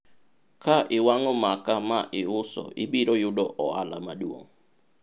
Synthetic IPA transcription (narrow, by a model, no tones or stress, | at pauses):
kaʔɪwaŋɔmakamaʔɪʊsɔ̰ḭbiɾɔjʊdɔʔɔa̰lamaduo̰ŋ